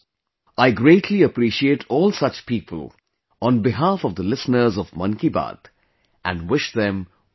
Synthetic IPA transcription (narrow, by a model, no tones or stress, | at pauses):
aɪɡɾeːʈʰliəpɾiʃieːʈʰɔːlˠsʌt͡ʃpiːpʰə̰l | ɔ̃nbɪɦaːfɔvd̪əlɪsnəɾzɔvmʌ̰̃nkiba̰d̪ | ʔæ̃nwɪʃd̪ɛ̃m